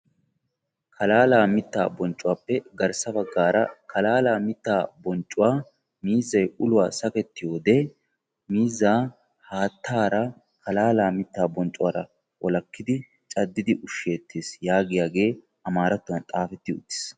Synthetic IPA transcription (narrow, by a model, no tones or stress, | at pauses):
kʰɐlaːlaːmɪt̪ːa̰ːbɔnt͡ʃʼʊwaːpːɛɡɐɾsɐbɐɡːaːɾɐkɐlaːlaːmɪt̪ːaːbɔnt͡ʃʼːʊwaː | miːzːɐjʊlʊwaːsɐkɛt̪ːɪjo̞ːd̪ɛ | miːzːaː | haːt̪ːaːɾɐ | kɐlaːlaːmɪt̪ːaːbɔnt͡ʃʼʊwaːɾɐ | wʔɔ̰lɐkːɪd̪ɪ | t͡ʃʼɐd̪ːɪd̪ɪʔʊʃːe̞ːt̪ʰːeːsjaːɡɪjaːɡe̞ː | ɐmaːɾɐt̪ːʊwɐnt̪ʼaːfɛt̪ːɪʊ̰t̪ːɪ̥ːs